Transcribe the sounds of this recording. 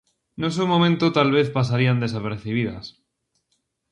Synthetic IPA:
nos̬umomẽnt̪ot̪alβe̞θpas̬aɾiand̪e̞sape̞ɾθiβ̞iða̰s

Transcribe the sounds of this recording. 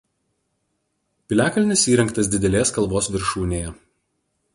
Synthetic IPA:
pʲɪlʲæːkɐlʲnʲɪsiːɾʲɛŋˑkt̪ɐs̬d̪ʲɪd̪ʲɛlʲeːskɐlˠboːsʋʲɪɾʃuːnʲeːjɛ

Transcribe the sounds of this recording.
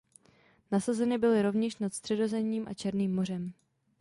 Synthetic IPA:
nasazɛnɪbɪlɪɾo̞vɲɛʃnat̪st̪r̝̥ɛdo̞zɛmɲiːmʔa̰t͡ʃɛɾniːmːo̞r̝ɛm

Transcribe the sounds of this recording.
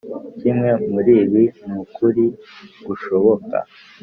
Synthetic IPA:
cimŋe̞muɾiːβiumukʰuɾiɡ̥uʃo̞βo̞ka̰

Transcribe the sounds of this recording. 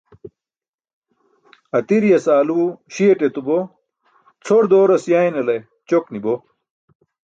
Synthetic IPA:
ɐt̪iɾijɐsaːluɕieʈet̪ubo | t͡sʰoɾd̪oːɾɐsjaːjinɐlɐj | t͡ɕoknibo

